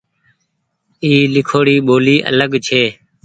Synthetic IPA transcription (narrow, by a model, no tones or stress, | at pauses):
iːlɪkʰoːɽiːɓoːliːʔə̰ləɡt͡ʃʰeː